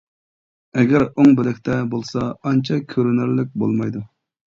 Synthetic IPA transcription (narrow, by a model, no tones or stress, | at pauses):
ɛɡʲɛɾoŋbɪlɛkʲt̪ʰɛbolˠsɑɑnt͡ʃʰɑkʲʰøɾynɪɾlɪk̚ʲbo̰lˠmɑjd̪u